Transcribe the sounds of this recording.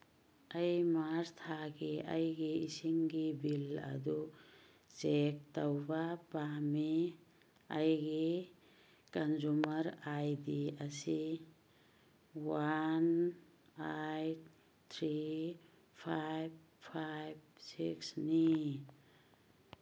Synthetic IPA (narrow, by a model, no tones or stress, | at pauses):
əjmaɾt̪ʰaɡiə̰jɡeisiŋɡibila̰d̪u | t͡ʃek̚t̪əwbapami | ajɡe | kənd͡ʒuməɾajd̪iəsi | wan | ajʈ̚ | t̪ʰɾi | pʰajb̚ | pʰajb̚siksni